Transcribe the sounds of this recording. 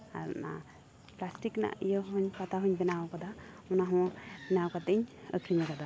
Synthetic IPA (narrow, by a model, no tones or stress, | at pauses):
a̰ɾna | plasʈikna̰ijəɦuɲpat̪aɦuɲbɛnawɔkad̪a | ɔnaɦɔ̃bɛnawkat̪əɲə̰kʰɾiɲakad̪a